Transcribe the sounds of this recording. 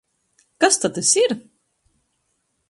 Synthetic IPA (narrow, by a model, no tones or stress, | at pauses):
kast̪at̪esiɾ